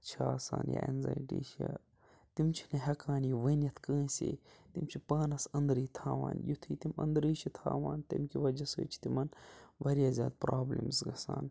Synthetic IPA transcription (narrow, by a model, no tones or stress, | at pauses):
t͡ʃʰaːsa̰ːnja̰ʔḛnzaːjʈiːʃi | t̪imt͡ʃʰi̥nɐɦɐkaːnijʋənjɐt̪ʰkə̃ːsḭːt̪imt͡ʃʰipaːnɐsɐnd̪ɾiːt̪ʰaːʋaːnjut̪ʰiːt̪imɐ̰̃nd̪ɾiːʃit̪ʰaːʋaːnt̪ɐmkiʋɐd͡ʒɐsɨːt͡ʃʰi̥t̪imɐnbɐɾijaːzʲjaːd̪̚pɾaːblimsɡɐsaːn